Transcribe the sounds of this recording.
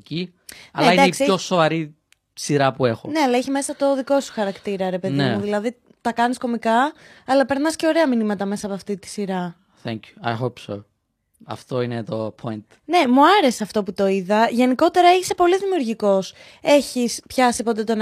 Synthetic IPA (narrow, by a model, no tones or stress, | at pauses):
i | ɐleɐind̪ɐeikso̞so̞vɐɾi | siɾɐpue̞xo̰ne̞ɐlɐiçime̞sɐt̪o̞ðiko̞su̥xɐɾɐkt̪iɾɐɾe̞pe̞ðnemuðilɐði | t̪ɐkɐnisko̞mikɐɐlɐpeɾnɐsce̞o̞ɾe̞ɐminimɐt̪ɐme̞sɐpoɐft̪it̪i̥siɾɐ | θɛŋcju̥ɐ̰jɦopso | ɐ̰ft̪o̞inet̪o̞pʰo̞jnt̪ | ne̞muɐɾe̞seɐft̪o̞put̪o̞iðɐʝe̞niko̞t̪e̞ɾɐeçi̥sepo̞liðimiuɾʝiko̞s | e̞çispçɐsipot̪̬et̪on